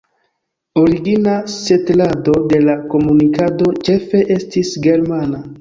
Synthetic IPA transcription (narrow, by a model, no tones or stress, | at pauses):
o̞ɾiɡinase̞tlado̞de̞lako̞munikado̞t͡ʃe̞fe̞ʔe̞stisɡe̞ɾmana